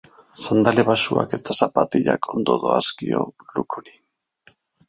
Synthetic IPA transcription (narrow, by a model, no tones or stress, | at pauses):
sand̪aleβasuake̞t̪asapat̪iʎakʰo̞nd̪o̞ðo̞askio̞̰lukʰoɾi